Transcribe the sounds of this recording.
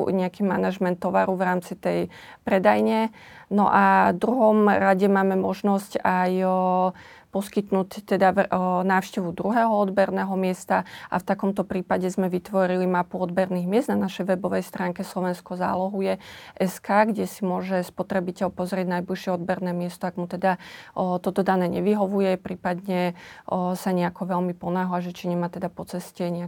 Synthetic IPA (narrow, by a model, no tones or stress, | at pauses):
ɲɛakiːmanaʒmɛnt̪ːɔʋa̰ɾuvɾaːmt͡sit̪ɛj | pɾɛd̪ajɲɛ | nɔ̰ʔad̪ɾuɦɔmɾaɟɛmaːmɛmɔʒnɔscaj | pɔskit̪nuːct̪ɛd̪anaːʊʃcɛʋud̪ɾuɦɛːɦɔɔd̪bɛɾnɛɦɔmɪɛst̪aʔa̰ft̪akɔmt̪ɔpɾiːpaɟɛzmɛʋit̪ʋɔɾilimapuɔd̪bɛɾniːɣmɪɛzd̪nanaʃɛjʋɛbɔʋɛjst̪ɾaːŋkɛslɔʋɛnskɔza̰ːlɔɦujɛʔɛskaːɡɟɛsimʊɔʒɛspɔt̪ɾɛbicɛlpɔzɾɪɛɟnajbliʃɪɛɔd̪̚bɛɾnɛːmɪɛst̪ɔaɡmut̪ɛd̪at̪ɔt̪ɔd̪anɛːɲɛʋiɦɔʋujɛpɾiːpad̪ɲɛ | saɲɛakɔʋɛlmipɔnaːɦlaʒɛt͡ʃiɲɛmaːt̪ɛd̪apɔt͡sɛscɛɲɛa